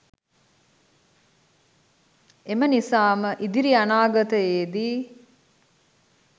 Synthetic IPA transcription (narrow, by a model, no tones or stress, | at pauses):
emənisaːməʔid̪iɾianaːɡɐt̪əjeːd̪i